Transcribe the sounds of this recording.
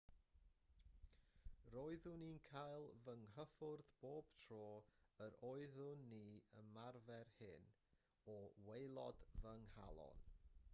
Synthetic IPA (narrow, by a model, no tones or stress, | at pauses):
roːɨðʊniːnkʰajlˠvəŋɦəfʊrðb̥oːb̥tʰroːəɾoɨðʊnːiːəmarvɛrhɪn | ɔwejlˠɔ̰dvəŋha̰lˠɔ̰n